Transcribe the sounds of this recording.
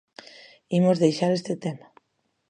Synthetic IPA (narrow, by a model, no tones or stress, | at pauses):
imozðejʃaɾest̪et̪ema